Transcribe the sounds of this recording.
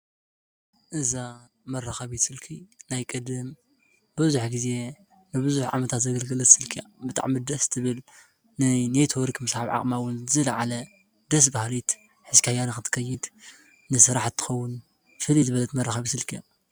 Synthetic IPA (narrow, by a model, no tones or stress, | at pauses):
ʔɨza | mɐrːɐxɐβisɨlkʰinajkʼɨd̪ɨm | bɨzuħɡize̞ | nɨbɨzuħʕa̰mɐt̪ʰat̪zɐɡɐlɡɨlɐt̪sɨlkʰijabɨt̪ʼa̰ʕmid̪ɐst̪ʰɨβɨl | nɨnet̪ʰoɾkʰmɨshaβʕa̰χʼmawɨnzɨlɐʕalɐ | d̪ɐs̬bahlit̪ | ħɨzkihajanaxɨt̪ʰɨ̥kʰɐjɪd̪ | nɨsɨɾaħt̪ʰːɨ̥xɐwːʊn | fɨlizɨβɐlɐt̪mɐrːaxɐβisɨlkʰija